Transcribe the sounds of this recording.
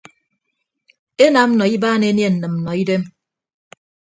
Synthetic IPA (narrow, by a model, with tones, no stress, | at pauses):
e˦na˨˦m̩˦nɔ˨i˦baː˦ne˨˦nje˦˨n̩˨nɨ˨m̩˨nɔ˨i˦de˦m